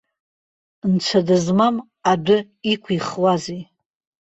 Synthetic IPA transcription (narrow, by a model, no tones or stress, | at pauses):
nt͡ʃʷʰadɨzmam | adʊ | ikʷʰiχwaze